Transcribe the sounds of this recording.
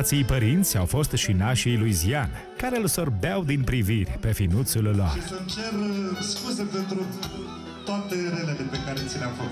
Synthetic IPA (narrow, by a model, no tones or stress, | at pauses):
t̪sijpəɾint̪sʲawfo̞st̪ʃinaʃijlujzian | kaɾe̞ɨlso̞rbeawd̪inpɾivirʲpe̞finut̪sulla̰risɨnt͡ʃe̞rskusepe̞nt̪ɾu | t̪oat̪eɾelelepekaɾet̪sinamfos